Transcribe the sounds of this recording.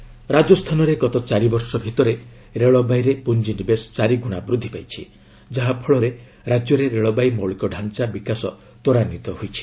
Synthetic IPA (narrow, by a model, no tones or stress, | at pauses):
ɾad͡ʒɔst̪ʰanɔɾeɡɔt̪ɔt͡ʃaɾibɔɾsɔbʱit̪ɔɾe | ɾeɭɔbajɾepund͡ʒinibest͡ʃaɾiɡuɽ̃abɾud̪ʱːipajt͡ʃʰḭ | d͡ʒaɦapʰɔɭɔɾe | ɾad͡ʒjɔɾeɾeɭɔbajmɔɭikɔɖʱant͡ʃabikasɔ | t̪oɾanit̪ɔɦojt͡ʃʰi̥